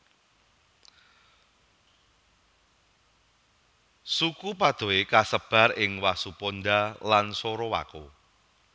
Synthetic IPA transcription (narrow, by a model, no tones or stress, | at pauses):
sukupad̪̥o̤ekasəb̥a̤rɪŋwasuponɖ̪alansoɾɔwa̰ko